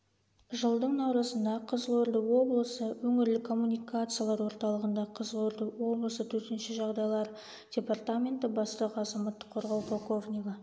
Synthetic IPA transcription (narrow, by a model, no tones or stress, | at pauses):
ʒəlˠd̪əɴnɑwɾəsənd̪ɑqʰəzəlˠoɾd̪əwo̞blˠəsəwɵŋɪɾlɪkʰo̞mːunijkat̪sɨjalˠɑɾwo̞ɾt̪ɑlˠəʁənd̪ɑqʰəzəlˠo̞ɾd̪əwo̞blˠəsət̪ʰɵɾt̪ɪnʃɪʒɑʁd̪ɑjlˠɑɾ | d̥ʲe̞part̪amʲe̞nt̪əbɑst̪əqɑzɑmɑt̪ːə̥qʰːoɾʁɑwpʰolˠko̞vnʲiɡə